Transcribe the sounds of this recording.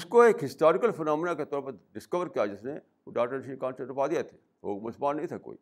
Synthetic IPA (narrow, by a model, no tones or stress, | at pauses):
ʊskoeːkɦɪsʈaːɾɪkəlfənaːmɪnaket̪ɔːɾpɐɾɖɪskəʋəɾkijad͡ʒɪsne | ɖaːk̚ʈəɾʃikãːnsəʈʊpaːd̪ijat̪ʰe̥ː | o̰ːkmʊsəlmaːnːɐɦĩt̪ʰako̰ːḭː